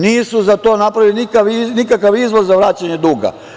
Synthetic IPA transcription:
niːsuzat̪o̞ːnapɾaʋilinikaʋinikakaʋizʋozzaʋɾaːt͡ɕaɲed̪uːɡa̰

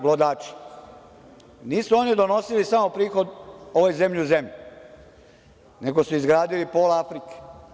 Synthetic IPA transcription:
ɡlod̪aːt͡ʃi̥ | niːsuo̞nid̪o̞no̞silisamo̞pɾiːxo̞d̪o̞ʋo̞jze̞mʎiuze̞mʎi | ne̞ɡo̞suizɡɾaːd̪ilipoːlafɾike̥

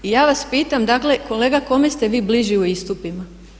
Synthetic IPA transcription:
ijaːʋaspiːt̪amd̪akle̞ko̞leːɡako̞me̞st̪e̞ʋiːbliʒiuist̪upima

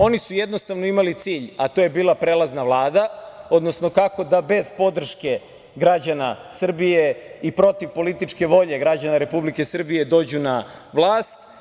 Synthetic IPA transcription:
o̞nisujed̪no̞st̪aʋno̞imalit̪siːʎat̪o̞je̞biːlˠapɾeːlaznaʋlˠaːd̪aod̪no̞sno̞kako̞d̪abe̞zpo̞d̪r̩ʃke̞ | ɡɾad͡ʑanasr̩bijeipɾo̞t̪iʋpo̞lit̪it͡ʃke̞ʋo̞ʎe̞ɡɾad͡ʑanaɾe̞publike̞sr̩bije̞d̪o̞ːd͡ʑunaʋlˠaːst̪

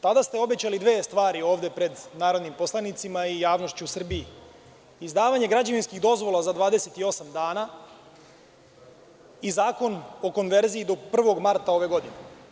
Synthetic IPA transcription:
t̪ad̪ast̪eo̞be̞t͡ɕalid̪ʋeːst̪ʋaːɾio̞ːʋd̪e̞pɾe̞d̪naːɾo̞d̪nimposlˠanit̪simaijaːʋno̞ʃt͡ɕusr̩bii | izd̪aːʋaɲe̞ɡɾad͡ʑaʋinskiɣd̪o̞zʋo̞lˠazad̪ʋaːd̪eset̪io̞samd̪aːna | izaːko̞no̞ko̞nʋe̞ɾziid̪o̞pr̩ʋo̞ɡmaɾt̪ao̞ʋe̞ɡo̞d̪ine

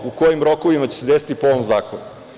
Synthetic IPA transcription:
uko̞jimɾo̞ko̞ʋimat͡ɕesed̪esi̥t̪ipoo̞ʋomzaːkonu

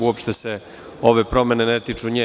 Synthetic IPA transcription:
uopʃt̪ese | oʋepɾo̞menenet̪it͡ʂuɲe

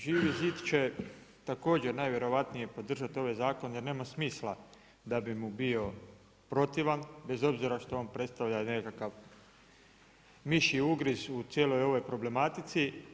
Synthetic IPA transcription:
ʒiːʋiziːt̪t͡ɕe̞ | t̪ako̞ːd͡ʑe̞ɾnajʋje̞ɾo̞ʋat̪nije̞po̞d̪r̩ʒat̪io̞ʋajzaːko̞nje̞ɾne̞ːmasmiːslˠa | d̪abimubio̞ | pɾo̞t̪iʋanbe̞zo̞bziɾaʃt̪ooːnpɾe̞t̪st̪aʋʎane̞kakaʋ | miʃiuɡɾizut̪sjelo̞jo̞ʋo̞jpɾo̞ble̞mat̪it̪si

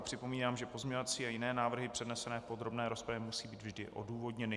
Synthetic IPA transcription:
pr̝̥ɪpo̞miːnaːmʒɛpo̞zɲeɲovat͡siːajɪnɛːnaːvr̩ɦɪpr̥ɛdnɛsɛnɛːpo̞d̪ɾo̞bnɛːɾo̞spɾavjɛmusiːbiːd̪vʒdɪʔo̞̰duːvo̞dɲɛnɪ

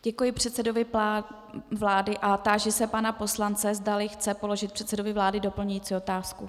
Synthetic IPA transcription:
ɟ̥ɛkujɪpr̝̥ɛt̪sɛdovɪa | vlaːdɪʔat̪aːʒɛsɛpanapo̞slant͡sɛzdalɪxt͡sɛpo̞lo̞ʒɪt̪̚pr̝̥ɛt̪sɛdovɪvlaːdɪdo̞pl̩ɲujiːt͡siːo̞t̪aːsku

